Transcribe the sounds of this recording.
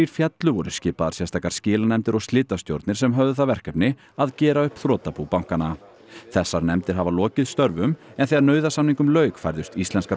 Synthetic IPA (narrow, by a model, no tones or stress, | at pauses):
iɾ̥fjɛt̪lʏvɔɾʏscɪːpaðaɾ̥sjɛ̥st̪ʰaːkaɾ̥scɪːlanɛmt̪ɪɾɔwst̪lɪːt̪ast̪jowɾt̪nɪɾ̥sɛmɦœvðʏθawvɛr̥kɛpnɪ | aðcɛːɾaʏhpθɾɔːt̪apupawŋ̥kana | θɛsːaɾnɛmt̪ɪɾ̥ɦavalɔːcɪðst̪œɾvʏmɛnθɛɣaɾnœːɥðasamniŋkʏmlœːɥkfajɾðʏst̪ist̪lɛnska